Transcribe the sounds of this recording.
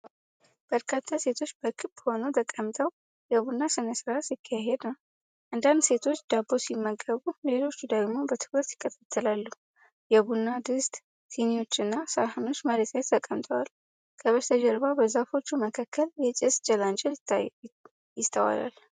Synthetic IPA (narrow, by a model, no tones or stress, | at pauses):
b̥əɾkʰat̪ʰːase̞t̪ʰo̞t͡ʃːbəkʰɨbho̞nət̪ʰəkʼːəmt̪ʰəw | jɛβunːasɨnəsɾasikʰːaɦed̪nəw | ʔɨnd̪and̪se̞t̪ʰo̞t͡ʃːd̪̥abːo̞simːəɡəβule̞lo̞t͡ʃːud̪əɡmo̞bət̪ʰɨbɾət̪jɪkʼːət̪ʰʼḁt̪ʰːəlalːu | jɛβunːad̪ɨst̪ | sʰinio̞t͡ʃːɨnːasəɾhɨnot͡ʃːməɾət̪ʰjat̪ʰəkʼːəmt̪ʰʼəwal | kʰəβət̪ʰəd͡ʒəɾβabəzafo̞t͡ʃːuməkʰakʰːəljɛt͡ʃʼɛsd͡ʒəlant͡ʃʼɛ | jɪt̪ʰːəwa̰la̰l